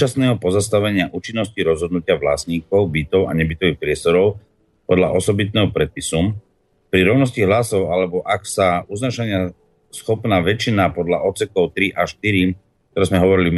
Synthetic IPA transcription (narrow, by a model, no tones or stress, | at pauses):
asnɛːɦɔpɔzast̪aʋɛɲɪaʔuːt͡ʃinːɔsciɾɔzɦɔd̪nucɪaʋla̰sɲiːkɔʊbit̪ɔʊa̰ɲɛbit̪ɔʋixpɾɪɛst̪ɔɾɔʊ | pɔd̪la̰ʔɔsɔbit̪̬̚nɛːɦɔpɾɛt̪̚pisum | pɾiɾɔʊnɔsciɦlasɔʊalɛbɔʔaksauznaʃaɲɪa | sxɔpnaːʋɛt͡ʃinapɔd̪laʔɔt̪sɛkɔʊt̪ɾiʔaʃt̪iɾi | k̚t̪ɔɾɛːzmɛɦɔʋɔɾili